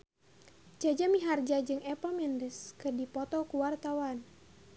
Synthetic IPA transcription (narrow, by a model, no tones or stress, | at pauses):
d͡ʒad͡ʒamiɦard͡ʒad͡ʒɨŋɛpamɛndəskɨrdipɔt̪ɔkuwart̪awan